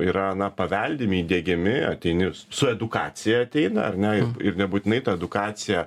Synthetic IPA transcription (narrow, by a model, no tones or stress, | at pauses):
iːɾɐɐnɐpɐʋʲɛlʲd̪ʲɪmʲɪːd̪ʲeːɡʲɪmʲɪɐ̰t̪ʲɛɪnʲɪ | sʊɛd̪ʊkɑːt͡s̪ʲɪjɛɐt̪ʲɛɪnɐɐrnʲɛɪɪrnʲɛbuːt̪ʲɪnɐɪt̪ɐɛd̪ʊkɑːsʲɪjɛ